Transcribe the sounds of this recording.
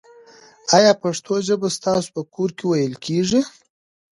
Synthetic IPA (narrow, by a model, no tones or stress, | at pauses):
ajɑpaʂt̪ʰoʒəbast̪ɑso̥u̥pəkʰoɾkewajəlkʰeʐi